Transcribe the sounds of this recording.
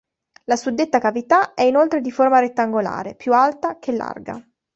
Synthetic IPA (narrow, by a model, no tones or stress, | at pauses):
lasud̪ːet̪ːakavit̪aɛinolt̪ɾed̪iformaɾet̪ːaŋɡola̰ːɾepjualt̪ak̟ʰelːa̰rɡa̰